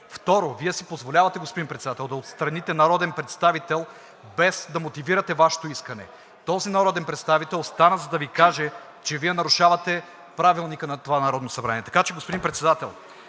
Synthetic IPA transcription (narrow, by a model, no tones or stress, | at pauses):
ft̪ɔɾoviɛsipozvolʲavɐt̪ɛɡospod̪impɾɛt̪sɛd̪at̪ɛlˠd̪ɐot̪st̪ɾɐnit̪ɛnɐɾɔd̪ɛnpɾɛt̪st̪avit̪ɛlˠ | bɛsd̪ɐmot̪iviɾɐt̪ɛvaʃɛ̥t̪oiskɐnɛ̰ | t̪ɔzinɐɾɔd̪ɛnpɾɛt̪st̪avit̪ɛlˠst̪anəzɐd̪ɐvikaʒɛ | t͡ʃɛviɛnɐɾuʃavɐt̪ɛ | pɾavilˠnikənɐt̪ovanɐɾɔd̪nosɐbɾaniɛt̪ɐ̥kat͡ʃɛɡospod̪inpɾɛt̪sɛd̪at̪ɛ̰lˠ